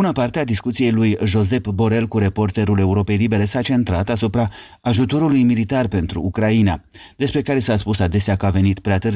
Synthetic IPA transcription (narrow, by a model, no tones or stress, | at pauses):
b̥unəpart̪ead̪iskut̪sije̞jlujʒo̞ze̞pbo̞ɾe̞lkuɾe̞po̞rt̪e̞ɾule̞uɾo̞pe̞jlibe̞ɾe̞sat͡ʃe̞nt̪ɾat̪asupɾa | aːʒut̪o̞ɾulujmilit̪arpe̞nt̪ɾṵːkɾainad̪e̞spɾe̞kaɾe̞saspusad̪e̞seakəave̞nit̪pɾeat̪ɨr